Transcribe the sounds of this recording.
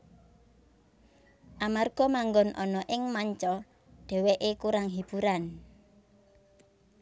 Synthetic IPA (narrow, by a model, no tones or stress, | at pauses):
ʔamarɡ̥ɔmaŋɡɔnʔɔnɔʔɪŋmaɲt͡ʃɔ | ɖ̪̥ɛ̤wɛʔekuɾaŋɦib̥uɾan